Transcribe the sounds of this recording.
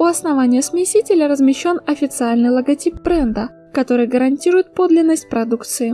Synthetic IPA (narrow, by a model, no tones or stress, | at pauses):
ʊɐsnɐvanʲɪjəsmʲɪsʲitʲɪlʲəɾəzmʲɪɕːo̞nɐfʲɪt̪sɨalʲnɨjlˠəɡɐtʲip̚bɾɛnd̪ə | kɐt̪o̞ɾɨjɡəɾɐnʲtʲiɾʊjɪt̪̚po̞d̪lʲɪnːəsʲt̚ʲpɾɐd̪ukt̪sɨɪ